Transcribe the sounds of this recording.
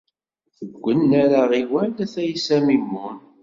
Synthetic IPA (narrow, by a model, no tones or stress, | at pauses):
θəɡʷːənːæɾaʁiwælæθæjsæmimːun